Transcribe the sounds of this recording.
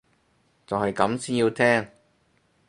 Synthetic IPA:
t͡sɐ˨whɐ˨jkɐ˨˧˥msiː˥nji˧wt̪ʰɛː˥ŋ

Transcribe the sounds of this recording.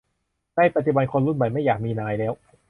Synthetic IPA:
daː˥˩jpa˨˩t̪̚t͡ɕu˩ba˧nkʰo˧nɾu˥˩nma˨˩˦jma˥˩jaː˨˩k̚miː˧naː˧jlɛː˦˥w

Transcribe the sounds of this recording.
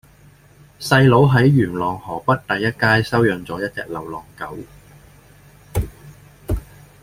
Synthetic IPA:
sɐ˧jlo˨˧wɦɐ˨˥jɥyː˨˩nlɔː˨˩ŋhɔː˨˩pɐ˥t̚t̪ɐ˨jːɐ˥t̚kaː˥jsɐ˥wjœː˨˧ŋt͡sɔː˨˥jɐ˥t̚t͡sɛ̰ː˧k̚lɐ˨˩wlɔː˨˩ŋkɐ˨˥w

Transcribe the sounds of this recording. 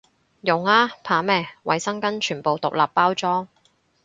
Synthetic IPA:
jʊ˨ŋaː˥pʰaː˨˥mɛː˧˥wɐ̰˨jsɐ˥ŋkɐ˥nt͡ʃʰyː˨˩npo˨wt̪ʊ˨k̚laː˨pːaː˥wt͡sɔː˥ŋ

